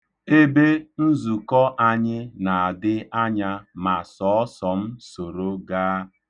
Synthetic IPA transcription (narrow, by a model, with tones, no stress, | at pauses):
e˦be˦n̩˦zu˨kɔ˦ʔa˦ɲɪ˦na˨a˨dɪ˦a˦ɲa˦ma˨sɔ˨ɔ˦sɔ˨m̩˦so˨ɾo˦ɡaː˦